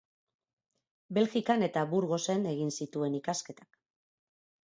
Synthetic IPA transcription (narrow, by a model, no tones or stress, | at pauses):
be̞lxikane̞t̪aβuɾɣo̞se̞ne̞ɣinsit̪ue̞nikaske̞t̪ḁk